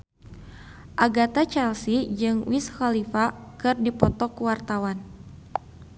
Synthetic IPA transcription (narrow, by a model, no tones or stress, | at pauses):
ʔaɡat̪at͡ʃɛlsid͡ʒɨŋwishalifakɨrdipɔt̪ɔkuwart̪awan